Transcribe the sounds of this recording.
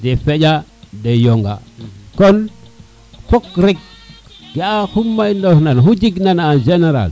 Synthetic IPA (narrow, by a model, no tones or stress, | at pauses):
defed͡ʒadejoŋɡa̰kon | kokɾik̚ɡaahumːajndosnanɦud͡ʒiɡnanand͡ʒeneɾa̰l